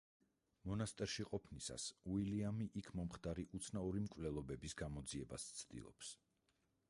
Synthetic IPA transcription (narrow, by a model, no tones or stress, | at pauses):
mɔnast̪ʼɛɾʃiqʼɔpʰnisa̰suiliamiʔikʰmɔmχd̪aɾiʔut̪sʰnaɔɾimkʼvlɛlˠɔbɛbisɡamɔd̪ziɛba̰st̪sʰd̪ḭlˠɔ̰ps